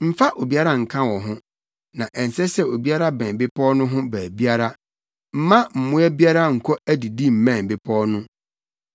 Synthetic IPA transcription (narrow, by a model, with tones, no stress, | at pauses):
m̩˦fa˦ʔo˨bi˦a˦ɾa˦ŋ̩˨kʰã˦wɔ˨ɦʊ̃˦ | nã˨ʔɛ˨n˨sɛ˦sɛ˦o˨bi˦a˦ɾa˦bɛ̃˨bɪ˦pʰɔ˦nʊ̃˦ɦʊ̃˦bæː˨bi˦a˦ɾa˦ | m̩˦mã˦m̩˨mʊ̃˦ɛ˦bi˦a˦ɾa˦ŋ̩˨kʰɔ˦æ˦di˨di˦m̩˨mɛ̃˦˨bɪ˦pʰɔ˦nʊ̃˦